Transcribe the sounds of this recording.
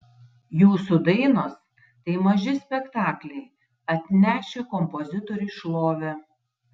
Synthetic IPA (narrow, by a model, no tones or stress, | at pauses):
juːsʊd̪ɐɪnoːs | t̪ɐɪmɐʒʲɪsʲpʲɛkt̪ɑːklʲɛɪ | ɐt̪ʲnʲæːʃʲekɔmpɔzʲɪt̪ɔɾʲʊʃlˠoːʋʲɛ